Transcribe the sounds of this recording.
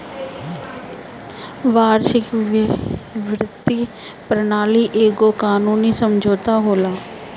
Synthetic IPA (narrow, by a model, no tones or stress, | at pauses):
ʋaːɾʃɪk | ʋɾɪt̪ːi | pɾənaːliʔeːɡokaːnuːnisəmd͡ʒʱoːt̪aɦoːlaː